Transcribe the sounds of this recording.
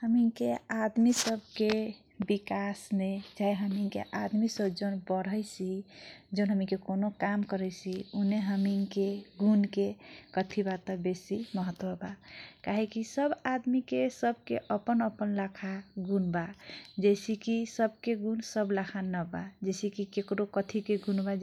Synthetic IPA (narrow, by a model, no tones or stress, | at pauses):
həmiŋkead̪misəbʱke | bikasned͡ʒaɦiɦəmiŋkḛʔad̪misəbd͡ʒənbəɾəjsid͡ʒəʊnɦəmĩkekonokamkəɾɛjsiuneɦəmiŋkeɡunkekət̪ʰibat̪ɔbesiməɦət̪wəbakaɦekisəbad̪mikesəb̚keʔəpənəpənlakʰaɡunbad͡ʒɛɪsikisəb̚keɡunsəblakʰanəbad͡ʒɛsikikekɾokət̪ʰikeɡunba